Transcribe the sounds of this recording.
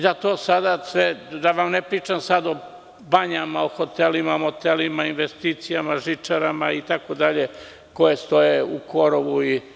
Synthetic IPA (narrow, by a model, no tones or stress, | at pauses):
d̪at̪oːsad̪asʋed̪aʋamnepɾiːt͡ʃamsad̪o | baɲamaoxo̞t̪elimaomot̪elimainʋest̪iːt̪sijamaʒit͡ʃaɾamait̪akod̪aʎe̞ | ko̞je̞st̪o̞jeuko̞ɾoʋui